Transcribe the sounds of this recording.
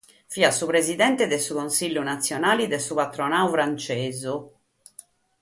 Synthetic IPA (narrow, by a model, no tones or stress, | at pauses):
fiːasupɾezid̪ɛnt̪ɛd̪ɛsukonsiʎːunat̪sːjɔnaːlid̪ɛsupat̪ɾɔnaːufɾant͡ʃeːzu